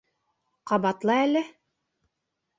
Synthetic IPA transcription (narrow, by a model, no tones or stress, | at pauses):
qɑbɑt̪lˠɑælɘ